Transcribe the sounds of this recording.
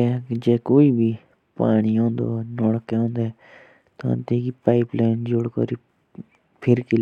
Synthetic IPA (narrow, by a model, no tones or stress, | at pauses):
ed͡ʒeːkoːiːbʱi | paːɽ̃iɦõːnd̪o̰nɔːɽkeɦõːnd̪eː | t̪ːnt̪eːkipaːɪplaːɪnd͡ʒoɽkɔ̰ɾiː | pʰɪɾkil